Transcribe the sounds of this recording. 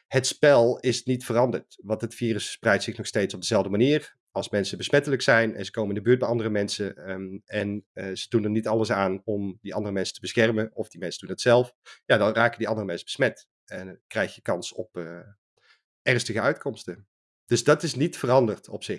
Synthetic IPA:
hətspɛlˠɪsnitfərɑndəɹtʋɑntətfiːrəssprɛjtsɪxnɔxsteːtsɔb̚dəzɛlˠvdəmaniːr | ɑlˠsmɛnsəbəsmɛtələksɛjnɛ̰nzəkoːwmənɪndəbyːt̚bɛjʔɑndərəmɛnsəɛnz̥ədunərnitɑlˠəsaːnɔmdiʔɑndərəmɛnsə̥tʰəbəsxɛrmənɔfdimɛnsədunətsɛlˠfjadɑnraːkədiɑndərəmɛnsəb̥əsmɛt | ɛnkrɛjxjəkɑnsɔp | ʔɛrnstəɣəœɥtkʰɔmstə | d̥ɵsdɑtɪsnitfərɑndərtʰɔpsɪx

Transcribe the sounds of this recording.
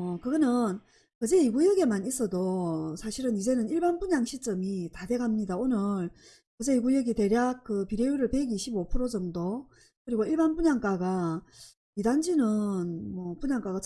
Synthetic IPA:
ʌkɯɡʌnɯn | kɯd͡ʑe̞iɡujʌɡe̞manis͈ʌdosʰaɕʰiɾɯnid͡ʑe̞nɯniɭbanpuɲaŋɕʰit͡ɕ͈ʌmitade̞ɡamɲidaonɯɭ | kɯd͡ʑe̞iɡujʌɡite̞ɾjak̚k͈ɯpiɾejuɾɯɭpe̞ɡiɕʰibopʰɯɾod͡ʑʌmdo | kɯɾiɡoiɭbanpuɲaŋk͈aɡa | idand͡ʑinɯnmʌpuɲaŋk͈aɣat͡ɕʰ

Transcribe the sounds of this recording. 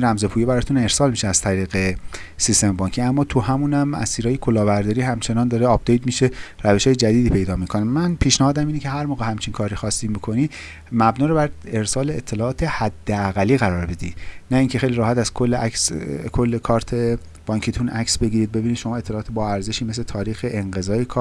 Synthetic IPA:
ɾæmze̞pʰuːjebæɾɒːt̪ʰune̞ɾsɒːlmiʃeæz̥t̪ʰæɾiːɣe̞ | sist̪e̞mbɒːŋcʰiæmːɒːt̪ʰuhæmunæmæ̰siːɾɒːjekʰolɒːbæɾd̪ɒːɾiːɦæmt͡ʃʰe̞nɒːnd̪ɒːɾeɒp̚ʰd̪ejd̪miʃe̞ɾæve̞ʃɒːjed͡ʒæd̪iːd̪iːpʰe̞jd̪ɒːmikʰo̞nemænpʰiːʃnæhɒːd̪æmiːnece̞ɦæɾmoːɣehæmt͡ʃʰinkʰɒːɾixɒːst̪iːmikʰo̞niː | mæbnɒːɾobæɾe̞ɾsɒːleet̪ʰːe̞lɒːɒːt̪ʰe̞hæd̪ːeæɣælːiːɣæɾɒːɾbe̞d̪iːnæiːŋcʰe̞xejliɾɒːhæt̪æz̥kʰolːeækskʰo̞lːekʰɒːɾt̪ʰe | b̥ɒŋcʰit̪ʰunʔæ̰ksbe̞ɡiːɾiːd̪̚be̞biːnid̪̥ʃo̞mɒːet̪ʰːlɒːt̪ʰebɒːæɾze̞ʃiːmes̬let̪ʰɒːɾiːxeʔeŋɢe̞zɒːjekʰɒ

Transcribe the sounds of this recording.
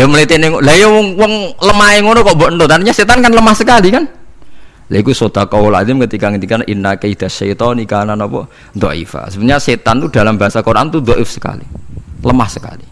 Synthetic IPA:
jɔməlet̪enɪŋlajɔwɔŋwɔŋləmaɪŋonɔkɔʔmbɔʔnd̪ɔt̪anɾiɲaset̪ankanləmahsəkalikan | laikusod̪̥akɔwla̰d̪ɪmkət̪ikaŋət̪ikanʔinakeid̪̥aʃait̪ɔnikananɔpɔ̰ | d̪ɔʔḭfa̰subət̪ɲaset̪ant̪ud̥̪a̤lambaɦasakoɾa̰nt̪ud̪ɔʔɪfsə̥ka̰lḭləmahsəka̰li

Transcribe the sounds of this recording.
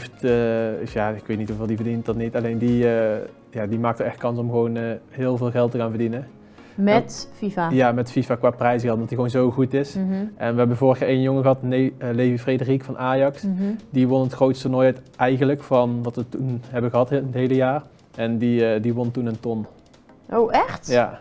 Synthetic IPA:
ftəjaːɪkʋejtnitɦuveːlˠdivərdintdɑtnitɑlejndiə | jaːdimaːk̚təɛxt̚kɑnsɔmɣəʋownəɦɪːlˠvɪːlˠɣɛlˠtːəɣaːnvərdinə | mɛtfifajamɛtfifaːkʋaːprɛjzɣɛlˠtmndɑtiɣʋownzowɣutɪsʔɛnʋəɦɛbənvoːrxjaːejnjoŋəɣəɦɑtnejlejvifredərikfɑnʔaːjɑksdiʋonətxrowtstənɔjɛtʔɛjɣənləkfɑnʋɑtʋətunɦɛbəɣəɦɑtntɦejləjaːr | ʔɛndidiʋɔntunəntɔn | ʔowʔɛxtja

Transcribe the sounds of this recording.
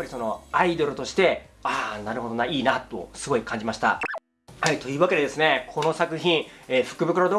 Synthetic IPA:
pːaɾʲiso̞no̞aid̪o̞ɾɯ̟t̪o̞ɕi̥t̪e̞anaɾɯ̟ɦo̞d̪o̞naiːnat̪o̞̰sɨɡo̞ikʰãɲ̟d͡ʑimaɕi̥t̪a̰ | hait̪o̞jɯ̟ːβake̞d̪e̞d̪e̞sɨne̞kʰo̞no̞sakɯ̟çĩɰeːɸɯ̥kɯ̟bɯ̟kɯɾod̪o̞ː

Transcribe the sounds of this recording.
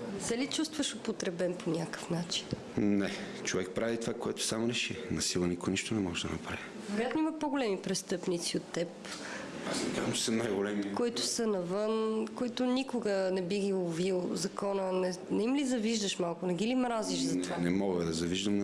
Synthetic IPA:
sɛlit͡ʃust̪vəʃopot̪ɾɛbɛnponʲakə̥fnat͡ʃi̥n | nɛ | t͡ʃovɛk̚pɾavit̪ovakoɛt̪o̥samoɾɛʃinɐsilˠənikoniʃt̪onɛmɔʒɛd̪ɐ̰nɐpɾa̰vi | vɛɾojat̪nimɐpoɡolɛmipɾɛst̪ɤpnit̪siot̪ːɛp | asnɛkazəmt͡ʃɛ̥sənajɡolɛmikoit̪ʊ̥sənɐvɤnkoit̪ʊnikʊɡənɛbiɡʲivilˠzɐkɔnənɛnɛimlizɐviʒd̪əʃmalˠkʊnɛɡilimɾaziʃzɐt̪vanɛmɔɡəd̪ɐzɐviʒd̪əm

